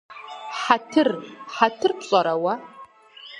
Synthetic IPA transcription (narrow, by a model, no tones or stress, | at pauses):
ħatʰɨrħatʰɨrpɕʼɐɾɐwɐ